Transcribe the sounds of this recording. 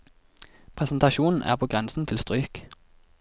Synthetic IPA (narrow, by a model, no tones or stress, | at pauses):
pʰʁɛsn̩t̪ɑʃuːnn̩ʔæ̰ːʁpʰoːɡʁɛnsn̩t̪ʰɪlst̪ʁyːk